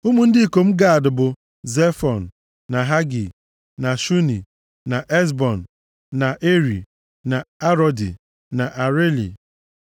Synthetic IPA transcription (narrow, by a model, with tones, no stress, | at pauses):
u˦mu˨n̩˦dɪ˦i˦˨ko˨m̩˦ɡa˦˨a˨dʊ˨bʊ˨ | ze˦fɔ˨n̩˨ | na˨ɦa˦ɡi˨ | na˨ʃu˦ni˨ | na˨ʔe˦z̬bɔ˨n̩˨ | na˨ʔe˦ɾḭ˨ | na˨a˦ɾɔ˨dḭ˨ | na˨ʔa˨ɾe˦lḭ˨